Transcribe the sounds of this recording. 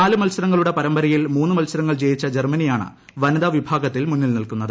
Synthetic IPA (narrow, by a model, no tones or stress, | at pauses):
aːlɨmɐlsɐɾɐŋːɐɭuɽe̞pɐɾɐmbɐɾɐjilmuːnːɨmɐlsɐɾɐŋːɐɭt͡ɕejit͡ɕːɐd͡ʑermɐnijaːɳɨ̰ | ʋɐnɐðɐʋibʱaːɡɐt̪ːilmunːilnilkunːɐðɨ